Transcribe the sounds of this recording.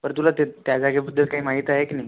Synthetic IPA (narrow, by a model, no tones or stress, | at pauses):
pəɾt̪ulat̪et̪jad͡zaɡebəd̪ʱːəlkaɦiːmaɦiːt̪aɦekinai